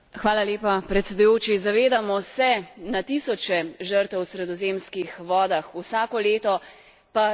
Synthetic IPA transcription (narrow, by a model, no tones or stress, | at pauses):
xʋaːlaleːpapɾɛt̪sɛd̪ujoːt͡ʃizaʋeːd̪amɔsɛnat̪isɔt͡ʃɛʒəɾt̪ɛwsɾɛd̪ɔzeːmskixʋɔːd̪axusaːkɔleːt̪ɔ | pa